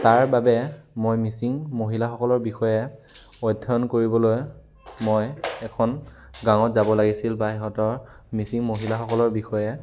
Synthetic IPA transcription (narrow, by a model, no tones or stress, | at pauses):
taɹbabɛmojmisiŋmoɦilaxɔkɔlɔɹbixɔjɛɔjdʱːɔnkoɹibɔloj | mojɛkʰɔn | ɡaŋɔtzabɔlaɡisilbaɛɦɔtɔɹ | misiŋmoɦilaxɔkɔlɔɹbixɔjɛ